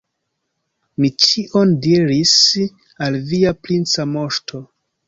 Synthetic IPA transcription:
mit͡ʃiʔo̞ndiɾis | alviaplint͡samo̞ʃtʰo̞

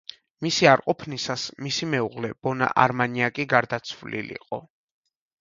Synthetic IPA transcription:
misiaɾqʼɔpʰnisasmisimɛuʁlɛb̥ɔna̰ʔaɾmaniakʼiɡaɾd̪at̪sʰvlḭlḭqʼɔ

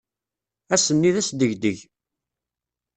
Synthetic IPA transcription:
æsənːiðæsd̪əʝd̪əʝ

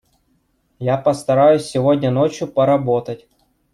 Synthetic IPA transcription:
japəst̪ɐɾajʊsʲːɪvodʲnʲənot͡ɕjʊpɐɾɐbot̪ətʲ

